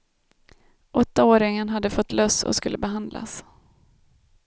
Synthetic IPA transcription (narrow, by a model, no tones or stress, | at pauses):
ʔɔt̪ːaoːɾɪŋənɦad̪ːəfɔt̪ːlœsɔ̰skɵlːəbɛɦand̪la̰s